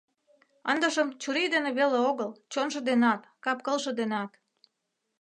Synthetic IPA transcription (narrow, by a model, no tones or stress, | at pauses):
ə̰nd̪əʃəmt͡ɕuɾid̪eneβeleoɣəlt͡ɕonʃɤ̆d̪enɑt̪kɑpkəlʃɤ̆d̪enɑt̪